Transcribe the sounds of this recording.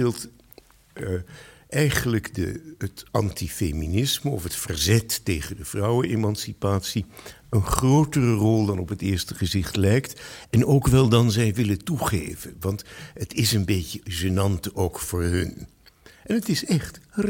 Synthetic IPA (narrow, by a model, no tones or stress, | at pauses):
ɪlˠt | ʔɛjχənləkdə̰ətɑntifeminɪsməɔfətfərzɛtːejχədəv̥rɑwənemɑnsipaːtsi | ənχrowtərərɔlˠdɑnɔpɦətɪːɹstəχəzɪχtlɛjktɛnoːwkʋɛlˠdɑnzɛjʋɪlətuχḛjvənʋɑntətɪsənbeːcəʒənɑntowkfʊːɹɦɵn | ʔɛnətɪsɛχt